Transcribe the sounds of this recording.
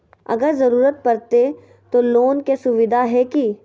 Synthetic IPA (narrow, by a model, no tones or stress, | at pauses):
ɐ̰ɡəɾzɐɾuːɾət̪̚pɐɾt̪e | t̪oloːnkesʊʋɪd̪ʱaɦɛki